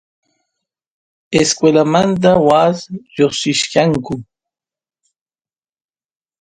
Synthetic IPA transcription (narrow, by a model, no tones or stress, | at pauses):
eskwelamant̪̬awasjoχsɪʃkaŋkʊ